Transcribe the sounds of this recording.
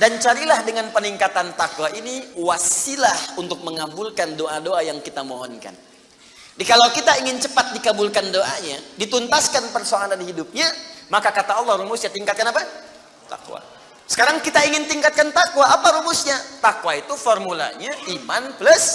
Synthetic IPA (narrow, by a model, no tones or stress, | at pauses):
dant͡ʃaɾilahdəŋanpəniŋkat̪ant̪akwaʔiniwasilahunt̪ʊk̚məŋabulkandoʔadoajaŋkit̪amoɦɔnka̰n | dikalawkit̪aiŋɪnt͡ʃəpat̪̚dikabulkandoʔaɲadit̪unt̪askanpərsoaŋananɦidup̚ɲamakakat̪aɔlːɔhɾumʊsɲat̪iŋkat̪̚kanapa | t̪a̰kwa̰ | sə̥kaɾaŋkit̪aiŋɪnt̪iŋkat̪̚kant̪akwaːpaɾumʊsɲat̪akwait̪ufɔrmula̰ɲaʔimanplʊs